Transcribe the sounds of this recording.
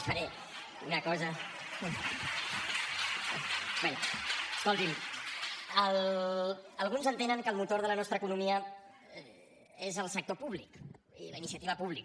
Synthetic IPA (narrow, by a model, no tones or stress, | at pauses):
fəɾe | unəkɔzə | beəskolˠt̪im | əlː | lˠɣ̞unzənt̪enəŋkəlˠmut̪oɾðələnɔst̪ɾəkunumiə | ezəlˠsək̚t̪opuβlik | ḭləinisiət̪iβəpuβlik